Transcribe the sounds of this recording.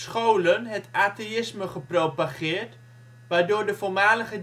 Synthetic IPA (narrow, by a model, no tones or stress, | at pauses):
sχowlənɦətaːteɪsməχəprowpaχɪːrt | ʋaːdoːɹdəfolˠmaːləɣə